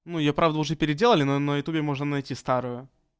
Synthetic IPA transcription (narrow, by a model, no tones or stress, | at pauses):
nujɪjopɾavd̪əʊʐɛpʲɪɾʲɪdʲe̞lˠəlʲɪnonəjʊt̪ubʲɪmo̞ʐnənɐjtʲist̪aɾʊjʊ